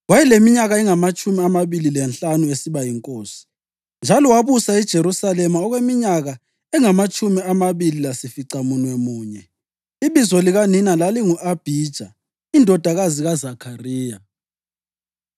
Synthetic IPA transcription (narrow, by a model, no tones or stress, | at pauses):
wajɛlemiɲaɣaɛŋamat͡ʃʼumiamaβililɛnɬanuesiβajiŋkʼoːsi̥ | nd͡ʒʱalɔwaβusaid̥ʒ̥ʱeɾusalɛmaɔɣwemiɲaɣa | ɛŋamat͡ʃʼumiamaβililasifiǀamunwɛmuːɲɛ | iβizɔliɣaninalaliŋuʔab̥ʱiːd̥ʒ̥ʱa̰ | indʱɔd̥ʱaɣaziɣazakʰariːja